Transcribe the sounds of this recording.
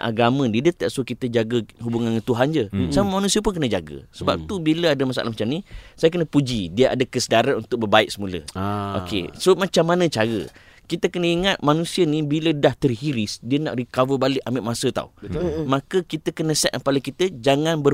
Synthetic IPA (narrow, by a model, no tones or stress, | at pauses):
ʔa̰ɡamə̃diədət̪aʔsokit̪əd͡ʒaɡəɦubuŋankət̪uɦand͡ʒəsaməmanusiəp̬ʊnkənəd͡ʒaɡə̰səba̰p̚t̪ubiləadəmasa̰lahmat͡ʃamnisajakənəpud͡ʒidiəʔa̰dəkəsədaɾaunt̪ʊk̚bərbaɪʔ̚səmulə̰ʔo̰kḛsomat͡ʃamːanə̃t͡ʃaɾə̰ | kit̪əkənəiŋat̪̚manũsiənibilədaht̪ərɦiɾɪsdiəna̰ʔrikawəbalɪʔamɪʔmasət̪a̰umakəkit̪əkənəsɛt̪̚əpaləkit̪əd͡ʒaŋanbə